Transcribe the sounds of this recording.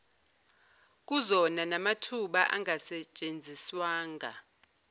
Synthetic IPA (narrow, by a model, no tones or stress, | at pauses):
k̬uzɔnanamatʰuɓaʔaŋasɛt͡ʃʼend͡zʱiswaːŋa̰